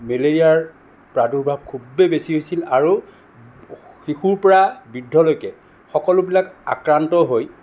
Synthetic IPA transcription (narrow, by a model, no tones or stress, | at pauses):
meleɹijaɹ | pɹaduɹbʱab̚kʰubebesiɦojsilaɹu | xixuɹpɔɹabidʱːɔlojkɛ | xɔkɔlʊbilaka̰kɹantɔɦoj